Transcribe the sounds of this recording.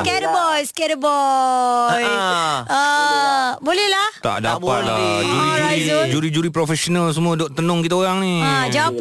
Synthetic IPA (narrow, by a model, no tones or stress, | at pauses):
skɛdəbɔjskɛɾəbɔ | jʔə | bolɛhlaht̪a̰ʔdapa̰t̪̚la̰d͡ʒuɾiɾad͡ʒuɾid͡ʒuɾipɾofɛsonals̬əmuadɔʔt̪ənɔ̃ŋkit̪aoɣaŋniad͡ʒawap